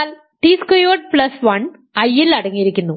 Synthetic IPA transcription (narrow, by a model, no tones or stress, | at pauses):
aːl | ʈiːskojoːʈ̚plɐsʋɐɳ | ɐjːilɐɽɐŋːijiɾikʲːunːu